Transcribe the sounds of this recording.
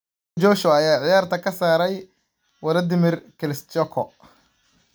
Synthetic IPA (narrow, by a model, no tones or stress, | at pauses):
t͡ʃɔːʃɔɐjaːʕɪjaːrt̪ʰɐkʰɐsaːɾɛj | wɐðɐd̪ɪmɪrkʰɪlɪst͡ʃɔkʰɔ